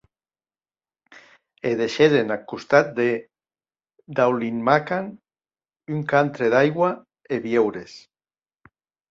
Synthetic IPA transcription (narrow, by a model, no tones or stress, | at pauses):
eðeʃeðenakust̪at̪̚d̪e | d̪awlinmakan | yŋkant̪ɾeðajɣwa | eβjewɾes